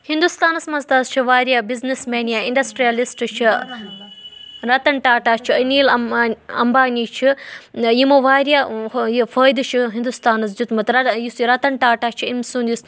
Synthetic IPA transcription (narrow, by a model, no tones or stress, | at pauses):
hind̪ust̪aːnɐsmɐzt̪aːst͡ʃʰiʋaːɾjɐbiznismeːnijaiɳɖɐsʈɾijɐlisʈɨt͡ʃʰi | ɾɐt̪ɐɳʈaːʈaːt͡ʃʰiɐniːlɐɐ̰mbaːniːt͡ʃʰiimɐʋaːɾjɐjfɐːjd̪ut͡ʃʰiɦind̪ust̪aːnɐs̬d͡ʒut̪mɐt̪ɾɐjisɾɐt̪ɐɳʈaːʈaːt͡ʃʰiimsund̪jis